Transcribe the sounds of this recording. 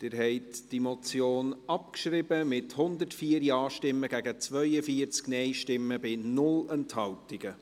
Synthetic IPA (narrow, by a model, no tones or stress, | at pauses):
d̥ɪɾɦɛɪtd̥imɔt͡sjoːnɑp̚kʃrɪbəmɪthʊnd̪əɾtfiːəɾjɑːʃtɪmːəɡæɡət͡svœʏəfiəɾt͡sknɛɪʃtɪmːəbɪnʊlɛnthɑwtɪɡ̥ə